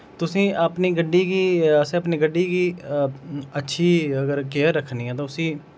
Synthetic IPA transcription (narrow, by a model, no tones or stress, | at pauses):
t̪ʊsĩːʔəpniːɡəɖːiːɡiːəsẽːəpneːɡəɖːiːɡiː | ətːʃʰiːəɡəɾkeːəɾːəkʰːniːɛ̃ːt̪ãsĩː